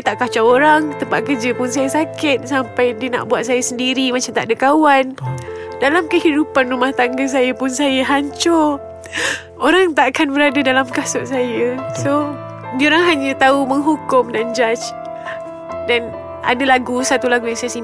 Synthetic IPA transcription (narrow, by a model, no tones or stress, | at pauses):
t̪aʔkat͡ʃaoɾaŋt̪əmpaʔkəd͡ʒəpʊns̬ajasakɪt̪̚sampajdiəna̰ʔbuat̪̚sajasəndiɾimat͡ʃamt̪a̰ʔadəkawan | dalamkəhidupanrumaht̪aŋɡas̬ajəpʊnsajəɦaɲt͡ʃɔ | oɾaŋt̪aʔkanbəɾadadalamkasɔʔ̚sajəso | dioɾaŋɦaɲət̪auməŋɦukʊmdand͡ʒat͡ʃ | dan | a̰dalaɡusat̪ulaɡujaŋsajasi